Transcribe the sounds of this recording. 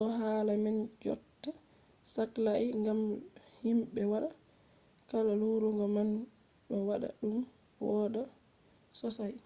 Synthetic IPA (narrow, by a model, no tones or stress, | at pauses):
ʔɔɦalamɛnd͡ʒɔ̰tːa | saklaiŋɡamhimɓɛwaɗa | kalaluɾuŋɡɔman | ɗɔwaɗa̰ɗum | wɔɗa | sɔsaj